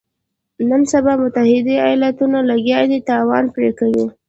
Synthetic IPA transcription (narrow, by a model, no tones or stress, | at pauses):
nənsabɑmʊt̪ahɪd̪ia̰jɑlat̪unalaɡjɑd̪it̪ɑwɑnpɾekawi